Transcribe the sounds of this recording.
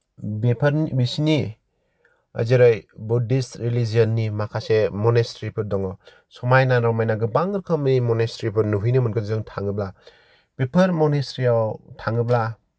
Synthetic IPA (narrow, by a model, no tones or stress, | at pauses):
bepʰɐɾnbisini | a̰ziɾɯjbudistɾilizijɔnːimakʰasemɔnestɾipʰɯɾdɔŋɔ | sɔmajnanɾawmajnaɡɯbaŋɯɾkʰamnimɔnestɾipʰɯɾnuɦujnɯmɯnkʰɯnzɯŋtʰaŋɯbla | pepʰɯɾmɔnestɾiawtʰaŋɯbla